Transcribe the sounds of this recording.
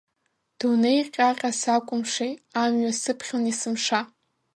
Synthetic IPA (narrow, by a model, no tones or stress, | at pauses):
d̥unejqʲʼaqʲʼasakʷʼʊmʂejamɥasɨpʰχʲonisɨmʂa